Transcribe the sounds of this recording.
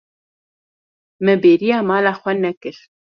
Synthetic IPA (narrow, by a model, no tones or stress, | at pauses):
mɨbeːɾijaːmɑːlaːxʷɛnɛkɨɾ